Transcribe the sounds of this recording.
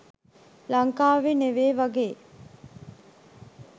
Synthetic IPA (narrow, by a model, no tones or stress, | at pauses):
laŋkaːʋeneʋeːʋaɡeː